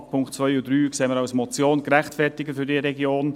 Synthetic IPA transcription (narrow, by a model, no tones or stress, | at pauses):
pʰʊŋktt͡svœʏʊdɾyːkseːməɾawsmɔt͡sjoːnkɾɛχtfɛɾtɪɡəfyɾdiəɾɛɡjoːn